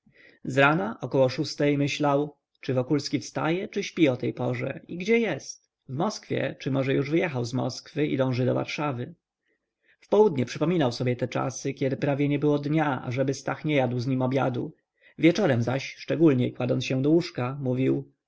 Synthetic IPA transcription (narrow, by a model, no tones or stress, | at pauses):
zɾanaʔɔkɔwɔʂust̪ɛjmɘɕlaw | t͡ʂɘvɔkulskʲifst̪a̰jɛt͡ʂɘɕpʲiɔt̪ɛjpɔʐɛ̰iɡd͡ʑɛjɛst̪ | vmɔskfʲjɛ̰t͡ʂɘmɔʐɛjuʐvɘjɛxawzmɔ̰skfɘḭd̪ɔ̃w̃ʐɘd̪ɔva̰ɾʂavɘ | fpɔwud̪ɲɛpʂɘpɔmʲinawsɔbʲjɛt̪ɛt͡ʂa̰sɘkʲɛd̪ɘpɾavʲjɛɲɛbɘwɔd̪ɲaa̰ʐɛbɘst̪axɲɛjad̪wzɲimɔbʲja̰d̪ṵ | vʲjɛt͡ʂɔɾɛmzaɕʂt͡ʂɛɡulɲɛjkwad̪ɔnɕɛ̃d̪ɔwuʂkamuvʲiw